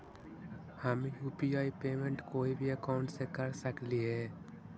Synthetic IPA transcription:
həmjuːpiaːipeːmẽɳʈkoːibʱiəkaʊ̃ɳʈsekəɾsəkliɦɛː

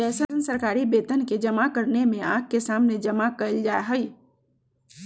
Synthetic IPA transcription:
d͡ʒɛːsənsəɾkaːɾibeːt̪ənked͡ʒɐmakəɾnemẽãːk̚kesaːmned͡ʒɐmakəəld͡ʒaːɦəi

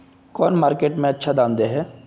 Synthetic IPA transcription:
kɔːnmaːɾkeːʈmẽɐtːʃʰad̪aːnd̪eɦɛː

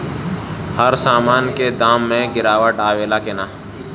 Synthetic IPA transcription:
həɾsaːmaːnked̪aːmːẽɡɪɾaːwəʈaːʋeːlakenaː

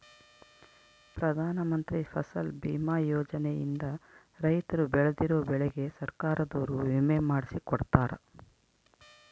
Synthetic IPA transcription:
pɾɐd̪ʱaːnɐmɐnt̪ɾipʰɐsɐlbiːmaːjoːd͡ʒɐnejḭnd̪ɐ | ɾɐjt̪ɐɾubɛɭed̪iɾoːbɛɭeɡe̞sɐɾkaːɾɐd̪oːɾuʋimemaːɽisikɔɽt̪aːɾɐ̰

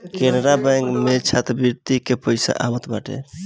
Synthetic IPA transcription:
kenɾabaŋɡmet͡ʃʰat̪biɾt̪ikepəɪsa̰ʔamət̪baʈʰḛ

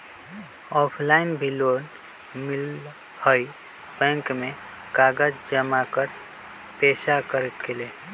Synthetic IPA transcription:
ɔpʰlainbʱilon | mil | həj | bɛ̃ŋkme | kaɡəd͡ʒd͡ʒəmakəɾ | pesakəɾt̪kele

